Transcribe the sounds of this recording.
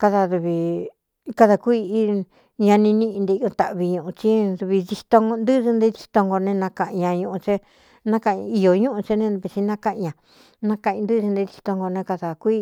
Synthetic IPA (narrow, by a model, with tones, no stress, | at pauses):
ka˧ða˧ðu˧βi˧ | ka˧ða˧kʷi˦i˦ | ɲã˧nĩ˧nĩ˧ʔĩ˧nd̪e˧o˧t̪a˧ʔβi˧ɲũ˧ʔũ˧t͡ʃi˦ðu˧βi˧ði˧t̪o˧ŋo˧nd̪ɨ˦ðɨ˧nd̪e˧˦ði˧t̪o˧ŋɡo˧nẽ˧nã˧kã˧˨ʔɲã˧ɲũ˧ʔũ˧t͡ʃe˦ | nã˦kã˧ʔi˧jo˨ɲũ˦ʔũ˧t͡ʃe˧nẽ˧βe˧t͡ʃi˧nã˦kã˧ʔɲã˧˨ | nã˧kã˧˨ĩ˧nd̪ɨ˦˧ɨ˧nd̪e˧ði˧t̪o˧ŋɡo˧nẽ˧ka˧ða˨kʷi˦